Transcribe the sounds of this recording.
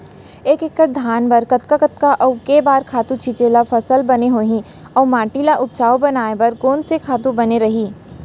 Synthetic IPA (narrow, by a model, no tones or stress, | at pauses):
eːkekːəʈ̚d̪ʱaːnbɐɾkɐt̪̚kakət̪kaʔɐʊkebaːɾkʰaːt̪ũt͡ʃʰit͡ʃeːlafʰɐsəlbɐneɦoːɦĩ | ɔːmaːʈiːlaʔʊpt͡ʃaːobɐnaːebɐɾkoːnsekʰaːt̪ũbɐneɾɐɦiː